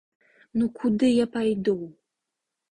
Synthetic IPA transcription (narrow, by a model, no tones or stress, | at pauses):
nukʰud̪ɨjapajd̪uw